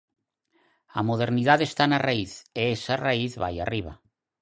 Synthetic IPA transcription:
amoð̞eɾniðaðest̪anaraiθeesaraiθβaja̰riβ̞a̰

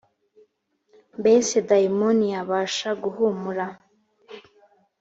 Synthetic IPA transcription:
mbesedaimoniaβaːʃaɡuhumuɾa

